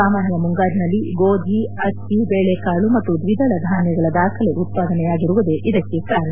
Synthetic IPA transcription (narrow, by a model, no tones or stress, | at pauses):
aːmaːnjɐmuŋɡaːɾinɐlːiɡoːd̪ʱiɐsibeːɭekaːɭumɐt̪ːud̪ʋid̪ʱɐɭɐd̪ʱaːnjɐɡɐɭɐd̪aːkʰɐle̞ʔut̪̚paːd̪ɐnɛjaːɡiɾuʋud̪e̞ʔid̪ɐkːe̞kaːɾɐɳɐ